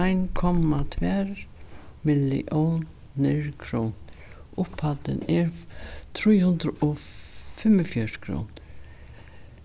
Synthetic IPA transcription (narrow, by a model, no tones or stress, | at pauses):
ajnkʰɔmːat̪ʰvɛɾmɪlːḭʔow | nɪɹkʰɾownʊphat̪ɪ̰nɛɹt̪ʰɾujhʊnd̪ɾɔ | fɪməfjœɹkʰɾo̰wn